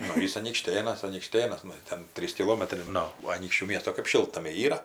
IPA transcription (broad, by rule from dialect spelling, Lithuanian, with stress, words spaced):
ˈnʊ ˈjɪs ɐnʲiːkˈʃʲtʲeːnɐs ɐnʲiːkˈʃʲtʲeːnɐs ˈnʊ ɪr ˈtʲɛn ˈtʲrʲiːs kʲɪˈlˠoːmɐtrɐɪ ˈnʊ ɐˈnʲiːkʃʲt͡ʃʲuː ˈmʲiɛstoː kɜp ˈʃʲɪlˠtnɐmʲɛɪ ˈiːrɐ